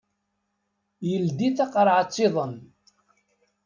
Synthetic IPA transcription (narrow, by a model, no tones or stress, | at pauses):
jəld̪iθɑqɾˤʕɑt͡sˤːɪðˤən